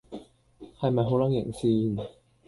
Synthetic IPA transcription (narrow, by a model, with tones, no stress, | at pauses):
hɐ˨jmɐ˨jɦo˨˥wlɐ˨˥ŋjɪ̰˨˩ŋsiː˧n